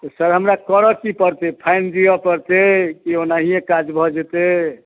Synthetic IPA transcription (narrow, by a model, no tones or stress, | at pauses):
t̪ɔsəɾɦəmɾakəɾəkipəɾt̪epʰaɪnd͡ʒijɔpəɾt̪ekionaɦiekad͡ʒbʱɔd͡ʒet̪e